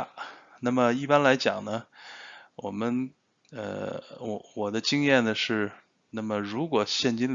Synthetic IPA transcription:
na˥˩mə˩i˥˩pa˥nla˧˥ɪt͡ɕjɑ̰˨˩ŋnə˦ | wɔ˨˩mə˦n | ə̰˧wɔ̰˧˩wɔ˨˩d̪ə˦t͡ɕi˥ŋjɛ˥˩nnə˩ʂɻ̩˥˩˧ | na˥˩mə˩ɻu˧˥kwɔ˨˩ɕjɛ˥˩nt͡ɕi˥n

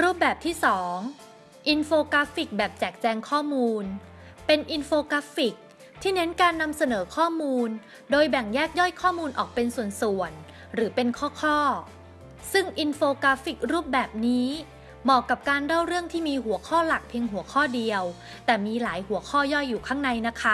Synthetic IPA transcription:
ɾuː˥˩p̚bɛː˨˩p̚t̪ʰiː˥˩sɔː˩˦ŋ | ʔi˧nfoː˧kaː˦˥fi˨˩k̚bɛː˨˩p̚t͡ɕɛː˨˩k̚t͡ɕɛː˧ŋkʰɔː˥˩muː˧n | pe˧nʔi˧nfoː˧kaː˦˥fi˨˩k̚ | t̪ʰiː˥˩ne˦˥nkaː˧nːa˧msa˧nɤː˩˦kʰɔː˥˩muː˧n | doː˧jbɛ˨˩ŋjɛː˥˩k̚jɔ˥˩jkʰɔː˥˩muː˧nʔɔ̰ː˨˩k̚pe˧nsu˨˩ənsu˨˩ən | ɾɯː˩˦pe˧nkʰɔː˥˩kʰɔː˥˩ | sɯ˥˩ŋʔi˧nfoː˧kaː˦˥fi˨˩k̚ɾuː˥˩p̚bɛː˨˩p̚niː˦˥ | mɔː˨˩kːa˨˩p̚kaː˧nɾa˥˩wɾɯ˥˩əŋt̪ʰiː˥˩miː˧ɦu˩˦əkʰɔː˥˩la˨˩k̚pʰi˧əŋɦu˩˦əkʰɔː˥˩di˧əw | t̪ɛː˨˩miː˧laː˩˦jhu˩˦əkʰɔː˥˩jɔ˥˩jːuː˨˩kʰaː˥˩ŋna˧jna˦˥kʰa˦˥

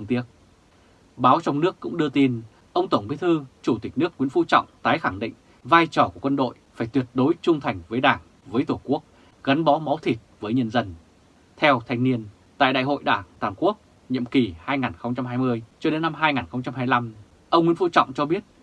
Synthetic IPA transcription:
t̪ɨ˧ŋt̪i˦˥ət̚ | ɓaː˨˦wt͡ɕɔ˧wŋ͡mnɨ˦˥əkːʊ̰˧˥ŋ͡mɗɨ˧ət̪i˧n | ʔə˧wŋ͡mt̪ə˧˩ŋ͡mɓi˨˦t̪ʰɨ˧t͡ɕu˧˩t̪ï˨˩k̟̚nɨ˦˥ək̚ŋwi˨˧˥ənfṵ˧˥t͡ɕɔ̰˧˨wŋ͡mt̪aː˨˦jxa˧˩ŋɗḭ̈˧˨ŋ̟ | vaː˧jt͡ɕɔ˧˩ku˧˩əkwə˧nɗo̰˧˨jfaː˧˩jt̪wi˨˩ət̚ɗo˨˦jt͡ɕʊ˧ŋ͡mt̪ʰa˨˩jŋ̟vəː˨˦jɗaː˧˩ŋ | vəː˨˦jt̪ʰo˧˩ku˦˥ək̚ | ɣa˨˦nɓɔ˨˦ma˨˦wt̪ʰi˨˩t̚vəː˨˦jɲə˧nzə˧n | t̪ʰɛ˧wt̪ʰa˧jŋ̟ni˧ən | t̪a̰ː˧˨jɗa̰ː˧˨jɦo̰˧˨jɗaː˧˩ŋt̪waː˧˨˩nku˦˥ək̚ | ɲḭ˧˨əmki˨˩haː˧jŋaː˨˩nxə˧wŋ͡mt͡ɕa˧mɦaː˧jmɨ˧əjt͡ɕɔ˧ɗe˨˦nːa˧mɦaː˧jŋaː˨˩nxə˧wŋ͡mt͡ɕa˧mɦaː˧jla˧m | ʔə˧wŋ͡mŋwi˧˥ənfṵ˧˥t͡ɕɔ̰˧˨wŋ͡mt͡ɕɔ˧ɓi˦˥ət̚

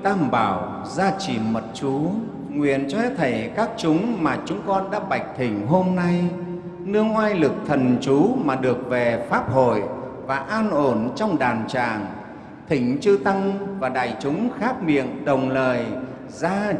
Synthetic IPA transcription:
t̪aː˧mɓaː˧˩w | zaː˧t͡ɕi˧˨˩mə˨˩t̚t͡ɕu˨˦ | ŋwḭ˧˩˨ənt͡ɕɔ˧ɛ˦˥t̪ʰə˧˩jkaː˦˥k̚t͡ɕʊ˨˦ŋ͡mmaː˨˩t͡ɕʊ˨˦ŋ͡mkɔ˧nɗa̰ː˧˥ɓa˨˩jk̟̚t̪ʰï˧˩ŋ̟ɦo˧mna˧j | nɨ˧əŋwaː˧jlɨ˨˩k̚t̪ʰə˨˩nt͡ɕu˨˦maː˨˩ɗɨ˨˩ək̚ve˨˩faː˦˥p̚ho̰˧˩˨j | vaː˨˩ʔaː˧nʔo˧˩nt͡ɕɔ˧wŋ͡mɗaː˨˩nt͡ɕa̰ː˨˩ŋ | t̪ʰï˧˩ŋ̟t͡ɕɨ˧t̪a˧ŋvaː˨˩ɗa̰ː˧˨˩jt͡ɕʊ˨˦ŋ͡mxaː˦˥p̚mḭ˧˨ənɗə˨˩wŋ͡mləː˨˩j | zaː˧

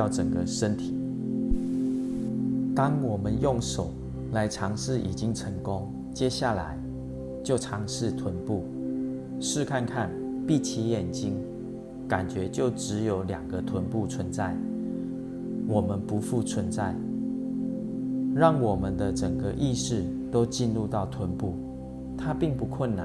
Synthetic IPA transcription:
ʊʈ͡ʂə˨˩ŋɡə˦ʂə˦nt̪ʰi˨˩˦ | t̪ɑ˥ŋwɔ˨˩mə˦njʊ˥˨˩ŋʂo˨˩˦ʊ | la˧˦ɪʈ͡ʂʰɑ˧˦˥ŋʂɻ̩˥˩ʔḭ˨˩t͡ɕi˦ŋʈ͡ʂʰə˧˥ŋkʊ˦˥ŋ | t͡ɕjɛ˥˦ɕja˥˩la˧˦ɪ | t͡ɕjo˥˩ʊʈ͡ʂʰɑ˧˥ŋʂɻ̩˥˩t̪ʰwə˧˦npu˥˩ | ʂɻ̩˥˧kʰa˥˧nkʰa˥˨n | pi˥˨t͡ɕʰi˧˥jɛ˨˩nt͡ɕi˦˥ŋ | ka˨˩nt͡ɕɥɛ˧˦t͡ɕjo˥˩ʊʈ͡ʂɻ̩˧˦jo˧˥ʊljɑ˨˩ŋɡə˦t̪ʰwə˧˦npu˥˩t͡sʰwə˧˦nt͡sa˥˩ɪ | wɔ˨˩mə˦npu˧˦fu˥˩t͡sʰwə˧˦nt͡sa˥˩ɪ | ɻɑ˥˩ŋwɔ˨˩mə˦nd̪ə˨ʈ͡ʂə˨˩ŋɡə˦ʔi˥˧ʂɻ̩˥˩ | t̪o˥ʊt͡ɕi˥˧nlu˥˧t̪ɑ˥˩ʊt̪ʰwə˧˦npu˥˩ | t̪ʰa˦pi˥˨˧ŋpu˧˦kʰwə˥˩nna˨˦

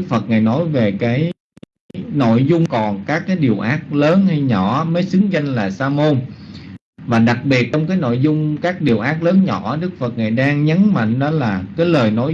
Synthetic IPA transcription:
k̚fə˨˩t̚ŋaː˨˩jnɔ˨˦jve˨˩kaː˨˦j | no̰˧˨jzʊ˧ŋ͡mkɔ˨˩nkaː˦˥kːaː˨˦jɗi˨˩əwʔaː˦˥t̚ləː˨˦nha˧jɲɔ˧˩məː˨˦jsɨ˨˦ŋza˧jŋ̟laː˨˩saː˧mo˧n | vaː˨˩ɗa˨˩k̚ɓi˨˩ət̚t͡ɕɔ˧wŋ͡mkaː˨˦jno̰˧˨jzʊ˧ŋ͡mkaː˦˥k̚ɗi˨˩əwʔaː˦˥k̚ləː˨˦nɲɔ̰˧˩ɗɨ˦˥k̚fə˨˩t̚ŋaː˨˩jɗaː˧ŋɲə˨˦nma̰˧˨ŋ̟ɗɔ˨˦laː˨˩kaː˨˦jləː˨˩jno˨˦j

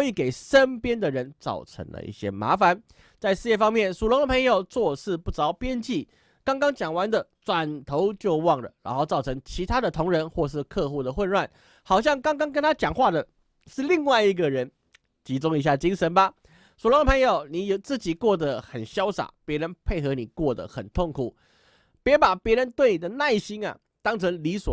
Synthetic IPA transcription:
i˨˧˩ke˨˩ɪʂə˥npjɛ˥nd̪ə˨ɻə˧˦nt͡sɑ̰˥˩ʊʈ͡ʂʰə̰˧˥ŋlə̰˧ʔḭ˥˩ɕjɛ̰˥ma̰˧˥fa˨˦n | t͡sa˥˧ɪʂɻ̩˥˧jɛ˥˩fɑ˥ŋmjɛ˥˩nsu˨˩lʊ˧˥ŋd̪ə˨˩pʰɤ˧˥ŋjo˨˩ʊt͡swɔ˥˧ʂɻ̩˥˧pu˥˩t͡sɑ˧˥ʊpjɛ˥nt͡ɕi˥˩ | kɑ˥ŋkɑ˥ŋt͡ɕjɑ˨˩ŋwa˧˥nd̪ə˨t͡swa˨˩nt̪ʰo˧˥ʊt͡ɕjo˥˧ʊwɑ˥˩ŋlə̰˩ɻa̰˧˥nxo˥˧ʊt͡sɑ˥˩ʊʈ͡ʂʰə˧˥ŋt͡ɕʰi˧˥t̪ʰa˥d̪ə˨t̪ʰʊ˧˥ŋɻə˧˦˥nxwɔ˥˧ʂ̬ɻ̩˥˧kʰɤ˥˧xu˥˩d̪ə˩xwə˥˧nlwa˥˩n | xɑ˨˩ʊɕ̬jɑ˥˩ŋkɑ˥ŋkɑ˥ŋk̬ə˥nt̪ʰa˥t͡ɕjɑ˨˩ŋxwa˥˩d̪ə˩ | ʂɻ̩˥˧li˥˧ŋwa˥˧ɪi˧˥ɡə˨ɻə˧˥n | t͡ɕi˧˥t͡sʊ˥ŋi˧˥ɕ̬ja˥˩t͡ɕi˥ŋʂə˧˥nba˨ | swɔ˨˩lŋd̪ə˨pʰɤ˧˥ŋjo˨˩ʊni˨˩jo˨˩t͡sɹ̩˥˩t͡ɕi˨˩kwɔ˥˩d̪ə˨xə˨˩nɕjɑ˥ʊsa̰˨˩˦pjɛ˧˥ɻə˧˦npʰe˥˩ɪxɤ˧˥ni˨˩kwɔ˥˩d̪ə̰˩xə̰˨˩nt̪ʰo˥˩ŋkʰu˨˩ | pjɛ˧˥pa˨˩pjɛ˧˥ɻə˧˦nt̪we˥˩ɪni˨˩d̪ə˦na˥˩ɪɕi˥na̰˨ | t̪ɑ˥ŋt͡sʰə˧˥ŋli˧˥swɔ̰˨˩

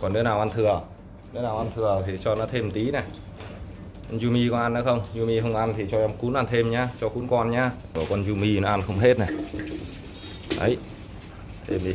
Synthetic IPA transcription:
kɔ˨˩nːe˨˦naː˨˩wʔa˧nt̪ʰɨ˨˩ə | ne˨˦naː˨˩wʔa˧nt̪ʰɨ˨˩ət̪ʰi˨˩t͡ɕɔ˧nɔ˨˦t̪ʰe˧mt̪i˨˦nɛ˨˩ | kɔ˧nzu˧mi˧kɔ˨˧˦ʔa˧nːɔ˨˦xə˧wŋ͡mzu˧mi˧xə˧wŋ͡mʔa˧nt̪ʰi˨˩t͡ɕɔ˧ʔɔ˧mku˨˦nʔa˧nt̪ʰe˧mɲaː˧t͡ɕɔ˧xu˨˦nkɔ˧nɲaː˧ | ɨ˧˩ə˩kɔ˧nzu˧mi˧nɔ˨˦ʔa˧nxə˧wŋ͡mɦe˦˥t̚nɛ˨˩ | ʔə̰˨˦j | t̪ʰe˧mi˨˧˦

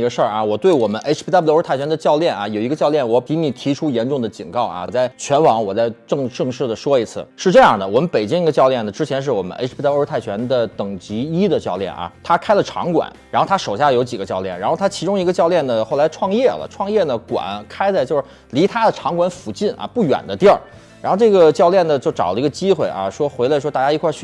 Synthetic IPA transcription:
i˧˥ɡə˧ʂə˞˥˩ʔɐ˩wɔ˨˩t̪we˥˩ɪwɔ˨˩mə˦nʔe˧˥˧d̪a˥˩blt̪ʰa˥˩t͡ɕʰɥɛ˧˥nd̪ə˧t͡ɕjɑ˥˧ʊljɛ˥˩nɐ˩jo˨˩ʊi˧˥ɡə˧t͡ɕjɑ˥˧ʊljɛ˥˩nwɔ˧˥i˧˥ni˨˩t̪ʰi˧˥ʈ͡ʂʰu˥jɛ˧˥nʈ͡ʂʊ˥˩ŋd̪ə˩t͡ɕḭ˨˩nkɑ˥˩ʊʔɐ̰˨˩t͡sa˥˩ɪt͡ɕʰɥɛ˧˥nwɑ˧˥ŋwɔ˨˩t͡sa˥˧ɪʈ͡ʂɤ˥˧ŋʈ͡ʂɤ˥˧ŋʂɻ̩˥˩d̪ə˩ʂwɔ˥i˧˥t͡sʰɹ̩̰˥˩ʂɻ̩˥˧ʈ͡ʂɤ˥˧jɑ˥˩ŋd̪ə˩wɔ˨˩mə˦npe˨˩ɪt͡ɕi˥ŋi˧˥ɡə˧t͡ɕjɑ˥˧ʊljɛ˥˩nə˩ʈ͡ʂɻ̩˥t͡ɕʰjɛ˧˥nʂ̬ɻ̩˥˩wɔ̰˨˩mə̰˦nʔḛ˧˥˩t̪ʰa˥˩ɪt͡ɕʰɥɛ˧˥nd̪ə˨t̪ɤ˨˩ŋt͡ɕi˧˥i˥d̪ə˨t͡ɕjɑ˥˧ʊljɛ̰˥˩nʔɐ̰˩t̪ʰa˥kʰa˥ɪlə˨ʈ͡ʂʰɑ̰˧˥ŋkwa̰˨˩˦nɻa˧˥nxo˥˩a˥ʂo˨˩ʊɕja˥˩jo˧˥t͡ɕi˨˩ɡə˦t͡ɕjɑ˥˧ʊljɛ˥˩nɻa˧˥nxo˥˧˩ʊt̪ʰa˥t͡ɕʰi˧˥ʈ͡ʂʊ˥ŋi˧˥ɡə˧t͡ɕjɑ˥˧ʊljɛ˥˩nd̪ə˩xo˥˩ʊla˧˥ɪʈ͡ʂʰwɑ˥˧ŋjɛ˥˩lə̰˩ʈ͡ʂʰwɑ˥˧ŋjɛ˥˩nə˩kwa̰˨˩˦nkʰa˥ɪt͡sa˥˧t͡ɕjo˥˧ʊʂ̩˥˩li˧˥t̪ʰa˥d̪ə˨ʈ͡ʂʰɑ˧˥ŋkwa˧˥nfu˨˩t͡ɕi˥˩nʔɐ̰˧˩pu˥˩ɥɛ̰˨˩nd̪ə˦t̪jɑ˥˩ | ɻnxʊʈ͡ʂɤ˥˩ɡə˩t͡ɕjɑ˥˧ʊljɛ˥˩nd̪ə˩t͡ɕjo˥˩ʊʈ͡ʂɑ˨˩ʊlə˦i˧˥ɡə˧t͡ɕi˥xwe˥˩ɪʔɐ̰˧ʂwɔ˥xwe˧˥ɪle˧ɪʂwɔ˥t̪a˥˩ja˥i˧˥kʰwa˥˧t͡ɕʰy˥

